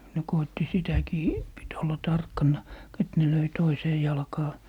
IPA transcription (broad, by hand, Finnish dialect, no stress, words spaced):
ne koitːi sitækiː pit olːɑ tɑrkːɑnːɑ k et ne løi toiseː jɑlkɑː